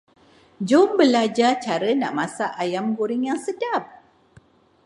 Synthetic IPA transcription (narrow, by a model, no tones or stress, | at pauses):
d͡ʒʊmbəlad͡ʒat͡ʃaɾəna̰ʔmasaʔajamɡuɾiŋjaŋsədap̚